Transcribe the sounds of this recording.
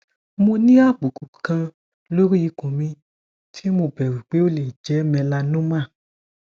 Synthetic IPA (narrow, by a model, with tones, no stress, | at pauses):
mo˧nĩ˦a˦˨bu˨ku˨kã˧ | lo˦ɾi˦i˧kũ˨mĩ˧ | tʰi˦mo˧bɛ˨wi˨k͡pe˨˦o˦˨le˨d͡ʒɛ˨˦mɛ̃˧la˧nũ˦mã˦˨